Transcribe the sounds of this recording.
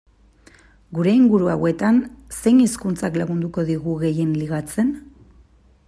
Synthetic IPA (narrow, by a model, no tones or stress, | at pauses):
ɡuɾe̞iŋɡuɾuawe̞t̪anse̞jniskunt͡saklaɣund̪uko̞ðiɣuɣe̞je̞nliɣat͡se̞n